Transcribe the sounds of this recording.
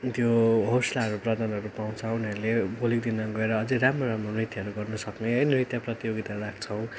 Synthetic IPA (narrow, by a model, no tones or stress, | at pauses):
t̪joɦoslaʌɾuprʌd̪ʱanʌɾupaw̃t͡sʰʌuniaɾulebʱolikd̪inʌɡʌeɾʌːd͡zeɾamroɾamronit̪jaʌɾuɡʌrnʌsʌkneɦʌjnrit̪japrʌt̪ijoɡit̪aɾuɾak̚ʰt͡sʰʌw̃